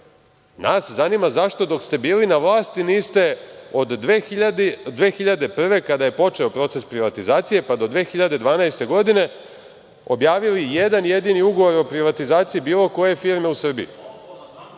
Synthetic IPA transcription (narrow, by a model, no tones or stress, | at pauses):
naːszaniːmazaʃt̪o̞d̪o̞kst̪e̞biːlinaʋlˠaːst̪iniːst̪e̞od̪ | d̪ʋeːxiʎad̪e̞pr̩ʋe̞kad̪aje̞po̞t͡ʃe̞o̞pɾo̞t̪se̞spɾiʋat̪izaːt̪sije̞pad̪o̞d̪ʋe̞ːxiʎad̪e̞d̪ʋaːnaest̪e̞ɡo̞d̪ine̞ | o̞̰bjaːʋilijed̪anje̞d̪iniuɡo̞ʋo̞ɾo̞pɾiʋat̪izaːt̪sijibiːlˠo̞ko̞je̞fiːɾme̞usr̩bḭjḭ